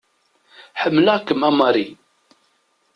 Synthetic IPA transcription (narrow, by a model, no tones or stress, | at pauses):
ħəmːlækːəmæmɑɾi